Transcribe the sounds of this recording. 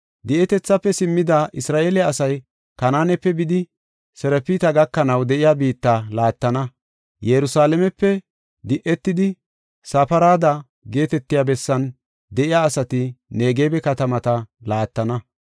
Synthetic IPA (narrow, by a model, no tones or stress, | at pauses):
d̪ɪʔɛt̪ɛt͡sːɐpːɛsɪmːɪd̪aʔɪsɾaːʔeːlɛɐsɐj | kɐnaːnɛpːɛbɪd̪ɪ | sɛɾɛpːiːt̪ɐɡɐkːɐnɐwd̪ɛʔɪjaːbiːt̪ːalaːt̪ːɐnɐ | jɛɾʊsaːlɛmɛpːɛ | d̪ɪʔɛt̪ːɪd̪ɪ | sapɐɾaːd̪ɐ | ɡe̞ːt̪ɛt̪ːɪjaːbɛsːɐn | d̪ɛʔɪjaːsɐt̪ɪne̞ːɡejbɛkɐt̪ɐmɐt̪ɐlaːt̪ːɐnɐ